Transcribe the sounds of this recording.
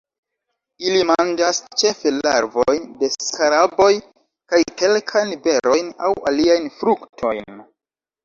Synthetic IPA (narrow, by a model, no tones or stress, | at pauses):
ilimand͡ʒast͡ʃe̞felaɾvo̞jnde̞skaɾabo̞j | kajke̞lkʰajnbe̞ɾo̞jna̰waliajnfɾuktʰo̞̰jn